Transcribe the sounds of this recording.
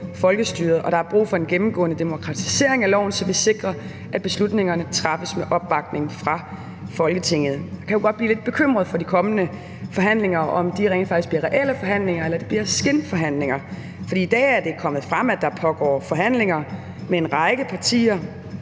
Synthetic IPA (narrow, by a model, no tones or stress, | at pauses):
fɒ̽lɡ̥əsd̥yːɐð̩ˠʔɒ̽ɾ̥ɑ̈æɐb̥ʁṵːfɒ̽enɡ̥emm̩ɡ̥ɔ̰̽ːnəd̥e̝mo̝kʰʁɑ̈t͡sʰi̥se̝ɐ̰e̝ŋælɒʊn̩sɒ̽ʋe̝se̝ɡ̥ʁɐ | ʔæd̥̚b̥e̝slud̥ne̝ŋɐnət͡sʰʁɑ̈fəsmeʔɒ̽b̥ːɑ̈ɡ̥̚ne̝ŋfʁɑ̈ | fɒ̽lɡ̥ət͡sʰe̝ŋ̰ð̞̩ˠdɑkʰæjuɡ̥ɒd̥̚b̥lḭːled̥̚b̥e̝kʰøm̰ʁɐð̩ˠfɒ̽d̥ikʰɒ̽mənə | fɒ̽ɦæn̰le̝ŋɐɒ̽md̥iʁeŋfɑ̈ɡ̥isɡ̥b̥liɐʁɛʔel̰əfɒ̽ɦæn̰le̝ŋɐelɐd̥e̝b̥liɐsɡ̥enfɒ̽ɦæn̰le̝ŋɐ | fɒ̽d̥ḭːid̥ɛ̰ːæɐd̥e̝kʰɒ̽m̰əð̞̩ˠfʁɑ̈m̰æd̥ɑ̈pʰɒ̽ɡ̥ɒ̰ːfɒ̽ɦæn̰le̝ŋɐ | meenʁɑ̈ɪɡ̥əpʰɑ̈t͡sʰḭːɐ